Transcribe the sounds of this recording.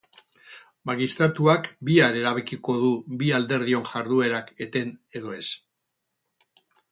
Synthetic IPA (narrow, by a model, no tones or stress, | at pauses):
maɣist̪ɾat̪uakbiaɾe̞ɾaβekiko̞ðubiald̪e̞ɾðio̞nʝaɾðue̞ɾake̞t̪e̞ne̞ðo̞e̞s